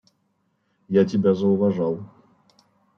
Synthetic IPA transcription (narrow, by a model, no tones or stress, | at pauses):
jatʲɪbʲazɐʊvɐʐalˠ